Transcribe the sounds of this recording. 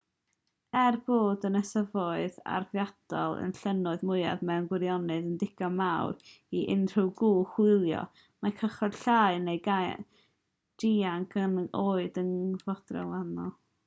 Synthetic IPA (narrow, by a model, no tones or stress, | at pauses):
ɛrboːdənəsəvɔɨða̰rvjad̥ɔlˠə̰nɬənʊɨðmʊɨa̰ðmɛwnɡwɪɾjɔnɨðəndɪɡ̥ɔmawr | iʔɪnr̥ɨwɡuːχwɪlˠjɔ̰ | makʰəχɔd̥ɬaɨnejɡa | d̥iːaŋkʰənoːɨdənvɔd̥rɛ̰lˠanɔ